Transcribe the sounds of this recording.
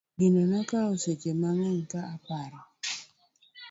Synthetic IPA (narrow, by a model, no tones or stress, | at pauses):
ɡinonakaoset͡ʃemaŋɛŋkaapaɾɔ